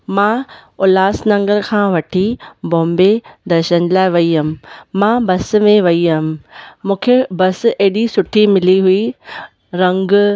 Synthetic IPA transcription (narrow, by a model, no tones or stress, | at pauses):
mãːʊlaːsnɐ̃ŋɡəɾkʰãːʋɐʈʰibõːmbed̪ɐɾʃənlaːɪʋɐiɦɐm̆mãːbɐsmẽʋɐiɦɐɦm̆mũːkʰebɐs̆eɦɪɗisʊʈʰimɪliɦui | ɾɐ̃ŋɡ